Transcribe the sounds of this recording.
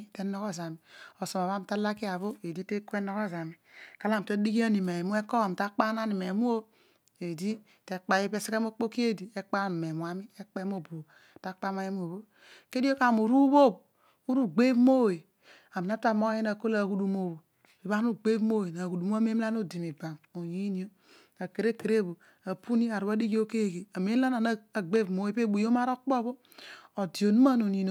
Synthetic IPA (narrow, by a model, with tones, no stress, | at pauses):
te˦no˦ko˦za˨mi˨o˨so˨ma˨βa˦m˨ta˦la˦ki˦a˨βo˦e˨di˦te˦ku˦e˦no˦ko˦˨za˨mi˨ka˦la˦˨m˨to˦di˦ki˦a˦ni˨me˨mu˦e˦ko˦a˨m˨ta˦k͡pa˦na˦ni˨me˨mu˦o˦ | e˨di˦ | te˨k͡pa˨˦e˦pe˦se˦ke˦mo˦k͡po˦ki˦e˦di˨e˦k͡pa˦˨mi˨me˨mu˨a˨mi˦e˦k͡pe˦m˦o˦bu˨o˨ | ta˦k͡pa˦ma˦je˦mu˦o˨βo˦ | ke˦di˦o˦ka˦˨mu˨ɾu˦βo˦˨b̚ | u˦ɾu˦ɡ͡be˦mo˦˨we˨ | a˨mi˨na˦ta˦˨mo˦je˦na˨ko˦la˨hu˦du˦mo˦˨βo˨ | bi˨βa˦nu˦ɡ͡be˦mo˦we˨n˨a˨ɡu˨du˨m˦a˦me˦m˦la˦n˦o˦di˨mi˨ba˨mo˨ji˦ni˦o˦ | a˨ke˨ɾe˦ke˨ɾe˦˨bo˨ | a˨pu˦ni˦a˨ɾu˨ba˦di˦ɡi˦o˦ke˦˨ɡe˨a˨me˦a˦na˨na˦a˨ɡ͡be˦˨mo˦e˦˨pe˦˨bu˨jo˦ma˦ɾo˦k͡po˦βo˦ | o˨di˨o˨nu˦a˦no˨ni˨no˨